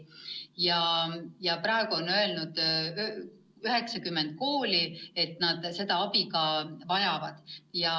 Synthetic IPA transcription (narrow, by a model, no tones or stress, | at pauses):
jɑjɑpɾɑe̞ɡ̥uo̞nø̞e̞lnud̪̥ | yɦe̞ksɑkymːent̪̚ko̞ːlie̞t̪ːnɑd̪̥se̞d̪ɑɑpiɡɑvɑjɑvɑd̪̥jɑ